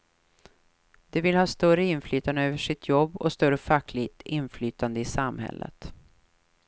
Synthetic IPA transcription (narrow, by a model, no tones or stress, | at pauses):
d̪̥ɛvɪlhɑːst̪œɾəɪnflyːt̪and̪əøːvəʂɪt̪ʰjɔbːɔ̰st̪œɾəfakʰːlɪt̪ɪnflyːt̪and̪əɪsamhɛ̰lːʔə̰t̪